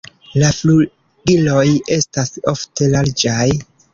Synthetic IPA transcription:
laflu | ɡilo̞je̞staso̞fte̞laɾd͡ʒaj

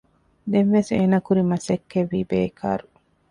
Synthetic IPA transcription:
d̪enʋeseːnɐkuɾimɐsekːeʋːiːbeːkʰa̰ːɾu

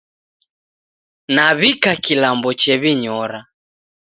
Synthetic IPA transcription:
naβikakilambɔt͡ʃɛβiɲɔɾa

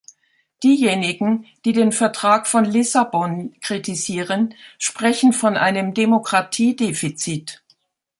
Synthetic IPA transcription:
d̥iːjeːnɪɡŋ̩d̥iːdeːnfɛɐtʁ̥aːkfɔnlɪsabɔnkʁ̥itʰiziːʁənʃpʁ̥ɛçn̩fɔnʔa̰ɪnəmdemokʁ̥atʰiːdeːfit͡siːt

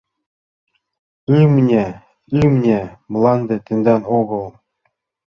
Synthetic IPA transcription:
ɯmnʲe | ɯmnʲemlˠɑnd̪ʲet̪ɘ̆nd̪ænoɣɤ̆lˠ

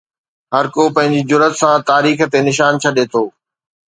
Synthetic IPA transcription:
ɦɐɾkopɐ̃ɦɪ̃ɲd͡ʑid͡ʑʊɾət̪sãt̪aːɾiːxt̪enɪʃ̬aːnt͡ɕʰɐɗeːt̪ʰoː

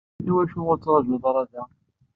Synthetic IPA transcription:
iwæʃʊʁʊɾt͡sːʁˤɑʒʊðˤɾˤɑðæ

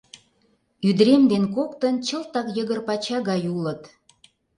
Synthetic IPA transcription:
yd̪ɾemd̪enkokt̪ənt͡ɕəlt̪ɑkjəɣərpɑt͡ɕɑɣɑjulət̪

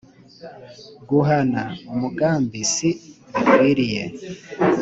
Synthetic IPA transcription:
ɡuɦanaumuɡaːmbisiwiɾijḛ

